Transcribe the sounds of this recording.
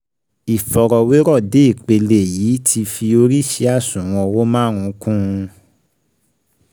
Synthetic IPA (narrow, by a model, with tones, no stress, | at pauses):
i˨fɔ˨ɾɔ˨we˨˦ɾɔ˦˨de˨˦i˦˨k͡pe˧le˨jiː˨˦tʰi˧fi˧o˧ɾi˦ʃe˨˦a˦˨sũ˨w̃ɔ̃˧wo˦mãː˦ɾ̃ũ˨˧˦kũ˦˧